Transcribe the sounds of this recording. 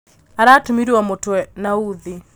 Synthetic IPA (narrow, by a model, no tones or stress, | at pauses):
aɾatumiɾiwamɔtwɛnauði